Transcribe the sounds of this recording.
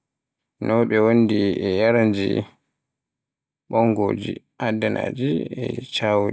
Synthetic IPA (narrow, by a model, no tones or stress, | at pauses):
nʔɔwɓɛwondiɛjaɾand͡ʒḭ | ɓɔŋɡoːd͡ʒi | ʔadana̰ːd͡ʒiɛ̰t͡ʃaːwu